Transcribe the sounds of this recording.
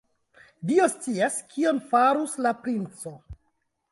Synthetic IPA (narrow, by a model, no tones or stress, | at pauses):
dio̞st͡siaskʰio̞nfaɾuslapɾint͡so̞